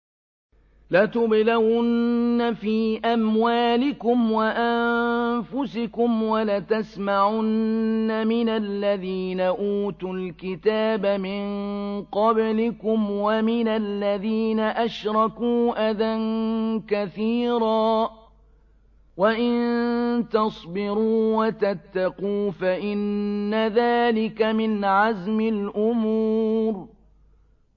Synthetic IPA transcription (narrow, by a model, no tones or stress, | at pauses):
lat̪ʊblawʊnːafiːʔamwaːlɪkʊmwaʔammfʊsɪkʊmwalat̪asmaʕʊnːamɪnalːaðiːnaʔuːt̪ulkɪt̪aːbamɪnqɑblɪkʊmwamɪnalːaðiːnaʔaʃɾˤɑkuːʔaðankaθiːɾaː | waʔɪnt̪ɑsˤbɪɾuːwat̪at̪ːaquːfaʔɪnːaðaːlɪkamɪnʕazmɪlʔʊmuːɾ